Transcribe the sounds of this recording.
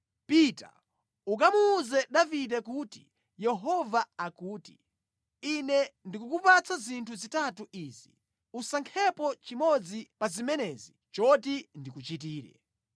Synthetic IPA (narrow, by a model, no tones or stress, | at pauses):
pita̰ | uk̬amuːzɛɗavidɛk̬uti̥ | jɛɦɔvaakuːti | inɛndikukupat͡sazintʰuzitatuiːzi | usaŋkʰɛpɔt͡ʃimɔd͡zipazimɛnɛzi | t͡ʃɔtindikut͡ʃit̬iːɾɛ̰